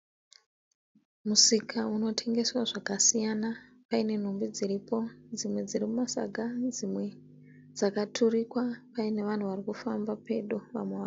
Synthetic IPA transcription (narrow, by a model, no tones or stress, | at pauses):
musikʰauno̞tʰe̞ŋɡe̞swaʐakasijanapaine̞n̤umbid͡ziɾipo̞d͡zimwe̞d͡ziɾimumasa̰ɡʱad͡zimwe̞ | d͡zakatʰurikwapaine̞ʋan̤uʋarikufambape̞ɗoʋa̰mweʋa